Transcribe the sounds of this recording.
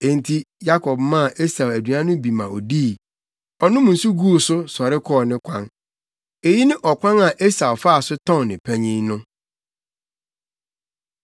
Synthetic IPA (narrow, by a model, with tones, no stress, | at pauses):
ẽ˨n̩˨tʰi˦ja˦kʰɔ˨bmã˦˨ʔe˦sa˨wæ˨dɥã˦nʊ̃˦bi˨mã˨ɔ˨diː˦˨ | ɔ˨nʊ̃˦mʊ̃˨n̩˨su˦ɡu˦˨sʊ˦sɔ˨ɾɪ˦kʰɔː˦˨nɪ̃˦kʷʰã˦n | e˨ji˦nɪ̃˦ʔɔ˨kʷʰã˦ŋa˨ʔe˦sa˨ɔ˨fa˦a˨sʊ˦tʰɔ̃˦˨nɪ̃˨pʰæ˦ɲĩ˦nʊ̃˦